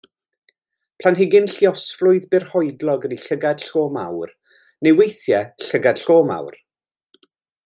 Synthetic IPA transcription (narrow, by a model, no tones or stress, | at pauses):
pʰl̥anɦɪɡɪnɬiɔsflʊɨðbɪrhɔɨdlˠɔɡəniɬəɡad̥ɬoːma̰wr | nejwejθjɛɬəɡad̥ɬoːma̰wr